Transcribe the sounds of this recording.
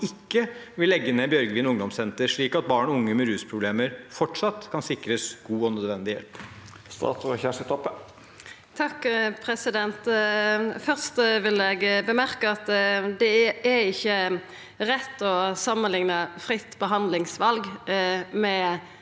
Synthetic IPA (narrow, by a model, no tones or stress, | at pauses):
ɪkːəʋɪlːɛɡːəneːbjœɾɡəʋiːnʊŋd̪ɔmsɛnt̪əɾʂɭiːkɑt̪̚bɑːɳɔʊŋːəmɛɾʉːspʰɾʊbleːməɾfɔʈʂɑt̪ːkʰɑnsɪkɾəsɡ̥uːɔnœd̪ʋɛnd̪ɪjɛ̰lp | st̪ɑ̰ːt̪ʰɔçæʂət̪ʰɔpːə | t̪ʰɑkːpʰɾɛsɪd̪ɛnt̪ | fœʁst̪ʋɪlɛɡbəmæɾkəɑt̪d̪ɛæɪçːə | ɾɛt̪ːɔsɑmːənlɪŋnəfɾɪt̪ːbəɦɑnd̪lɪŋsʋɑlɡ | mɛ